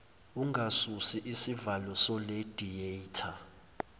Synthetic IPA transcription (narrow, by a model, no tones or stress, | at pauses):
uŋɡʱasusiʔisivalɔsɔled̥ʱietʰa